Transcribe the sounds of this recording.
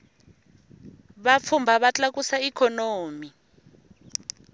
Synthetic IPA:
βap̪fʰumbʱaβat͡ɬʼak̬usaikʰɔnoːmi

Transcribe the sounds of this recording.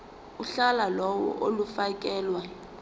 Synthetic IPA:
uɬalalɔwɔ̰ʔolufakʼɛːlwa

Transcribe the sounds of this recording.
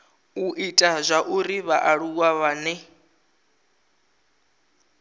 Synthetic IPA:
uʔitʼazʷaʔuɾiβaʔaɺuɣ̬waβanɛ

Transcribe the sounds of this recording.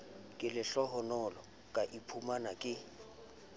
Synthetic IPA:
kʼɪlɪɬɔɦɔnɔlɔ | kʼaʔipʰumanakʼɪ

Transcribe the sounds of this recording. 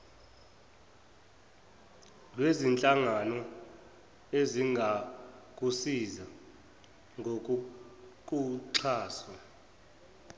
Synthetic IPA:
lwezint͡ɬʼaŋanɔ | eziŋɡʱak̬ʼusiza | ŋɡʱok̬ʼuk̬ʼuǁʰaːswa

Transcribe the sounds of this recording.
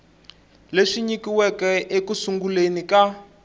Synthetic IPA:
leʂiɲikiwɛkɛekusuŋɡulenika

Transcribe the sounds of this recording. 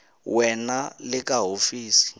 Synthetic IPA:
wɛnalɪk̬aɦofiːsi̥

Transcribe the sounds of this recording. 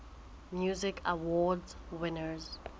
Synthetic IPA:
mjuzɪkʰawɔdz | wɪ̃nəz

